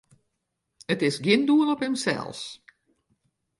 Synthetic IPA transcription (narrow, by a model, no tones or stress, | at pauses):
ətɪsɡɪnduəlɔphəmsɛ̰lˠs